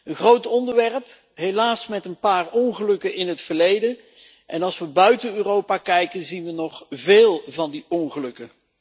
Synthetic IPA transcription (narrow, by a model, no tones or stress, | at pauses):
ənχrowtɔndəɹʋɛrəp | ɦejlaːsmɛtənpaːrɔnχəlɵkənɪnɦətfəɹlejdən | ʔɛnɑlˠsʋəbœɥtənøːrowpakɛjkənzinʋənɔχveːlˠvɑndiɔnχəlɵkə